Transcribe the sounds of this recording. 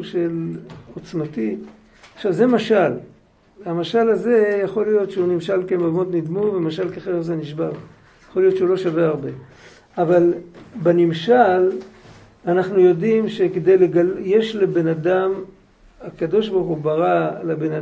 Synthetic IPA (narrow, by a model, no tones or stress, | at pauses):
ʃelo̞t͡smati | aχʃavze̞maʃal | amaʃalaze̞jaχo̞lijo̞tʃeunimʃalkemaɡmo̞t̪nid̪muvemaʃalkeχeʁzeniʃbaʁ | jaχo̞lijott͡ʃeulo̞ʃaveaʁbe̞ | avalbenimʃal | anaχnujo̞dimʃe̞ked̪ejleɡalje̞ʃlebe̞nadam | akad̪o̞ʃ̬baχubaʁalabena